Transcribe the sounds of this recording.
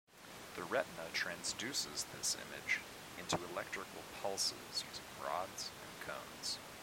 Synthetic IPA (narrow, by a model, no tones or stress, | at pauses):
ðɨɹɛʔⁿnətʰɹ̥æ̃nzdʉsɪzðɪ̰sɪ̰̃mɪ̰d͡ʒ | ʔɪ̃ntʰʉɨlɛk̚tɹ̥ɨkl̩ˠpʰʌlˠsɪ̰z̥jʉzɨ̥ɹɑ̰dz̥ɨ̰̃nkʰõ̰ʊ̃nz̥